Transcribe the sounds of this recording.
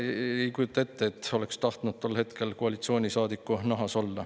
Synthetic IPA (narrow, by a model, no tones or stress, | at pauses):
ejkujut̪ːˑɑe̞t̪ːe̞et̪ːo̞le̞kst̪ɑht̪nud̪̥̚t̪o̞lːhe̞t̪ke̞lkoɑlit̪sio̞ːnʲisɑːd̪ikːunɑɦɑso̞lːɑ